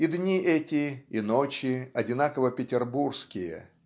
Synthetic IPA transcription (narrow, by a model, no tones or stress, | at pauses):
id̪nʲiʔɛtʲɪːnot͡ɕɪɐdʲɪnakəvəpʲɪtʲɪrburskʲɪjə̰